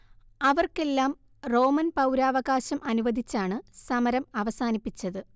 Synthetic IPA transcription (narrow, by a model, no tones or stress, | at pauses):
ɐʋɐrke̞lːaːm | ro̞ːmɐnpɐwɾaːʋɐɣaːɕɐmʔɐnuʋɐd̪ʱit͡ɕːaːɳɨsɐmɐɾɐmɐʋɐsaːnipːit͡ɕːɐðɨ